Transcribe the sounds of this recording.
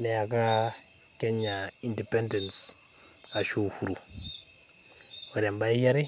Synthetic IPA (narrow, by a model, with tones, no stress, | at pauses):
ne˨a˨ka˦ | ke˦ɲa˨i˨ndi˨pɛ˦nde˨ns | a˨ʃo˨fu˨ɾu˨ | o˨ɾe˨mba˦ja˦ɾi˦